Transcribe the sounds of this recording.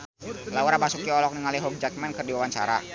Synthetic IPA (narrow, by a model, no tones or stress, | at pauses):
lauɾapasukiɔlɔk̚niŋaliɦɔk̚d͡ʒak̚mɛnkərdiwawaɲt͡ʃa̰ɾa̰